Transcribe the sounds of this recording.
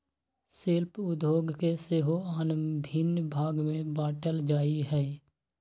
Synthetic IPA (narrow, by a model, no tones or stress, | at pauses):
sɪlpʊd̪ʱoːɡkeseːɦoaːnəbʱɪnbʱaːɡmẽbaːʈəld͡ʒaːiɦɛː